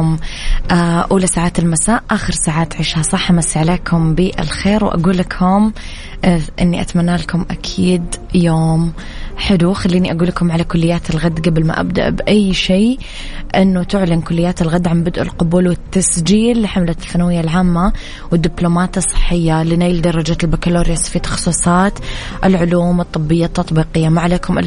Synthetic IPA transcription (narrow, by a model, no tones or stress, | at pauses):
mʔaʔuːlasaːʕaːt̪ɪlmasaːʔʔaːxɪɾsaːʕaːt̪ʕɪʃhasˤɑħʔamasːiʕaleːkʰʊmbiʔɪ̰lxeːɾwʔa̰ɡuːlːakhʊm | ʔʔɪnːiʔa̰t̪manːaːlakʊmʔakʰiːd̪joːm | ħɪd̪uxalːiːniʔaɡuːlakʊmʕalakʊlːɪjːaːt̪ɪlɣad̪ːɡablma̰ʔa̰b̚d̪a̰ʔbʔajːʃeː | ʔɪnːʊt̪ʊʕlɪnkʊlːɪjːaːt̪ɪlɣad̪ːʕambɪd̪ʔɪ̰lqʊbuːlwɪt̪ːasd͡ʒiːlːiħamlaɪlfanawɪjːalʕaːmːa | wɪd̪ːɪblomaːt̪ɨsˤːɨ̥ħːɪjːalɪnajld̪ɑrˤːɑd͡ʒaːt̪ɪlbakaloːɾjasfit̪ɑ̥xsˤiːsˤɑːt̪ | ʔɪlʕʊluːmɨt̪ˤːɨbːɪjːat̪ːɑt̪ˤbiːqɪjːamaʕleːkʊmʔɪ̰